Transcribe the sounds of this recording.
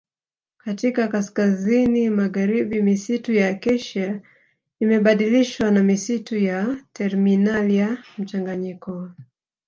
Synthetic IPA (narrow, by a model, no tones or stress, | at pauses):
katikakaskazinimaɣaɾiɓimisitujakɛʃa | imɛɓaɗiliʃwanamisitujatʰɛɾminalijam̩t͡ʃaŋɡaɲikɔ